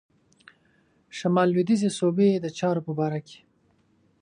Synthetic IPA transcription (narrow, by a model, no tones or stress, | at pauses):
ʃamɑlwid̪izesobed̪ət͡ʃɑɾopəbɑɾake̥